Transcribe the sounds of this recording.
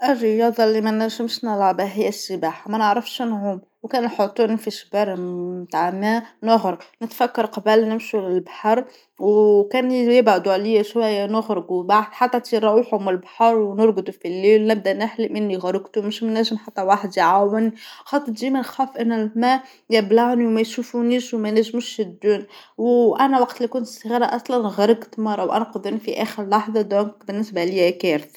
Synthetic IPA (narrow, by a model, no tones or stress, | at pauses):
ʔərːəjɑd̪ˤɑlimænæʒəmʃnəlʕbæɦɪjːæsːəbaːħamænəʕɾəfʃnʕuːm | wkæːnuħot̪ˤːunfiʃbæɾˤmmt̪aʕmænʊɣɾəɡnɪt̪fækːɑɾˤqɑbəlnɪmʃulɪlbaħɑɾˤ | wkænjɪbʕad̪uʕliʃwæjːænʊɣɾɡubaʕd̪ħat̪ˤːæt̪iɾˤɑʔuħʊmɪlbaħɑɾˤwnʊɾˤɡʊd̪ufilːiːlnæb̚d̪ænɪħlɪʔmɪnːiɣaɾɪɡt̪umʊʃmnæʒɪmħat̪ːæwaħd̪iʕawɪnixɑt̪ˤːɨɾd͡ʒiːmænxæːfʔɪnːælmæʔ | jɪblaʕniwmæjʃufuniːʃwmænæʒmuʃjɪd̪ːuːnwʔænæwɑqt̪likʊnt̪sˤɣɑːɾˤɑʔɑsˤlɑnɣaɾˤɪɡt̪mɑrˤːɑwʔæ̰nqʊd̪ˤinfiʔæːxəɾlɑħðˤɑd̪ɔːŋkbɪnːɪsbaliækæɾt̪